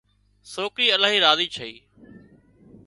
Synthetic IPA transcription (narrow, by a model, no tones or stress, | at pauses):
soːkɾiːəlaːɦiːɾaːziːt͡ʃʰəḭː